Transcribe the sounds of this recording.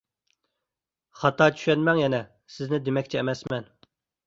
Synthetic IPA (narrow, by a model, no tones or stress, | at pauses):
χɑt̪ɑːt͡ʃʰy̥ʃɛnmɛŋjɛnɛ | sɪznɪd̪emɛkʲt͡ʃʰɛːmɛsmɛn